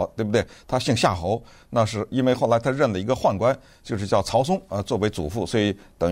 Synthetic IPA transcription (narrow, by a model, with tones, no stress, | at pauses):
t̪we˥˩ɪbə˩t̪wɪt̪ʰa˥ɕi˥˧ŋɕja˥˩xo˧˥ʊ | na˥˧ʂɻ̩˥˩i˥nwe˥˧ɪxʊla˧˥ɪt̪ʰɻə˥˩nlə˩i˧˥ɡə˧xwa˥˩nkwa˥n | t͡ɕjo˥˧ʊʂ̬ɻ̩˥˧t͡ɕjɑ˥˩ʊt͡sʰɑ˧˥ʊs̬ʊ˥ŋə˧t͡swɔ˥˩we˧˥ɪt͡su˨˩fu˥˩swɔ˧˥i˧˥t̪ɤ˨˩ŋ